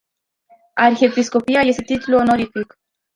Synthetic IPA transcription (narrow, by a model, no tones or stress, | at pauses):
aɾxepiskopiajest̪et̪it̪uluonoɾifik